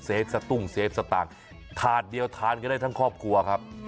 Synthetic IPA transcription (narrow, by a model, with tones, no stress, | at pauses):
seː˦˥p̚sa˧t̪u˥˩ŋseː˦˥p̚sa˧t̪aː˨˩ŋ | t̪ʰaː˨˩t̪̚di˧əwt̪ʰaː˨˦˥nka˧daː˥˩t̪ʰa˥˩ŋkʰɔː˥˩p̚kʰu˧ɐkʰa˦˥p̚